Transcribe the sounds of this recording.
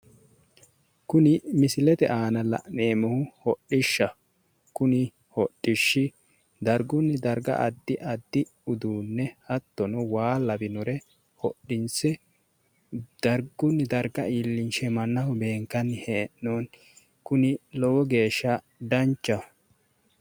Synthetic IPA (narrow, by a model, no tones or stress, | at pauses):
kʊnɪmɪsɪlɛt̪ɛ̰ʔaːnɐlɐ̰ʔneːmɔhʊhɔɗɪʃːɐ | kʊnɪ | hɔɗːɪʃːɪ | d̪ɐɾɡʊnːɪd̪ɐɾɡɐ̰ʔɐd̪ːɪʔɐd̪ːɪ | ʊd̪uːnːɛhɐt̪ːɔnɔwaːlːɐbɪnɔɾɛ | hɔɗːɪnsɛ | d̪̥ɐɾɡʊnːɪd̪ɐɾɡɐiːlːɪnʃɛmɐnːɐhʊbe̞ːŋkːɐnːheːnːoːn | kʊnɪlɔwɔɡe̞ːʃːɐ | d̪ɐnt͡ʃːɐ